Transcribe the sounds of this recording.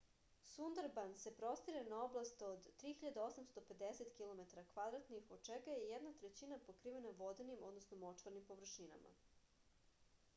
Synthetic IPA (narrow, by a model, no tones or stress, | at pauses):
sund̪aɾbanse̞pɾo̞st̪iɾenao̞blˠast̪od̪ːɾiːxiʎad̪ao̞samst̪o̞pe̞d̪eset̪kilˠo̞met̪aɾakʋad̪ɾat̪nixod̪̚t͡ʃeɡajejɛd̪nat̪ɾet͡ɕinapokɾiːʋenaʋo̞d̪enimo̞d̪nosnomot͡ʂʋaɾnimpo̞ʋr̩ʃina̰ma̰